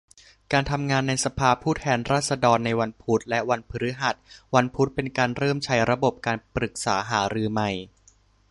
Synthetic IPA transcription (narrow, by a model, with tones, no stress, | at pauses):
kaː˧nt̪ʰa˧mŋaː˧nːa˧jsa˧pʰaː˧pʰuː˥˩t̪ʰɛː˧nɾaː˥˩t̪̚sa˧dɔː˧nːa˧jwa˧npʰu˦˥t̪̚lɛ˦˥ʔwa˧npʰɯ˧ɾɯ˦˥ɦa˨˩t̪̚wa˧npʰu˦˥t̪̚pe˧nkaː˧nɾɤː˥˩mt͡ɕʰa˦˥jɾa˧bo˨˩p̚kaː˧npɾɯ˨˩k̚sa̰ː˩˦ɦaː˩˦ɾɯː˧ma˨˩j